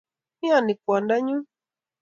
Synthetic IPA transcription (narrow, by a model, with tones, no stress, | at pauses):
i˦a˨ni˨kwa˨nda˦ɲu˦